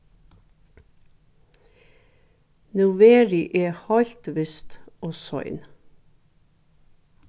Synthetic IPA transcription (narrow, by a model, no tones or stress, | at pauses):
nʉʋeːɾɪʔeːhɑʎt̪ʋɪst̪ʔoːsɔ̰ʏn